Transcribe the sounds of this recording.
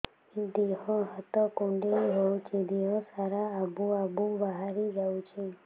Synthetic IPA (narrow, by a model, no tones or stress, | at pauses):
id̪eɦɔ̃ɦət̪ɔkũɳɖeiɦowt͡ʃʰid̪eɦɔ̃saɾaːbuabubaɦaɾid͡ʒawt͡ʃʰi